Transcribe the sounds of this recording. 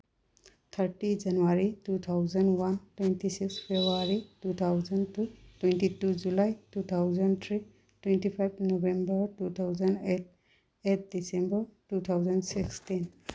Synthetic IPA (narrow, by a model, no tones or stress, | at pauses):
t̪ʰaɹʈid͡ʒanuwaɹitut̪ʰawzanwantwentisikspʰebuaɹitut̪ʰawzɔntutwɛntituzulajtut̪ʰawzɔnt̪ʰɹi | twɛ̃ntipʰajb̚ʰnobembəɹtut̪ʰawzandet̚ | et̚ʰdisembəɹtut̪ʰawzɔndsikstin